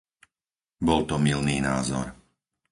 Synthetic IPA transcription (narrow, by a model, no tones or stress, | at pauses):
bɔlt̪ɔmilniːnaːzɔ̰ɾ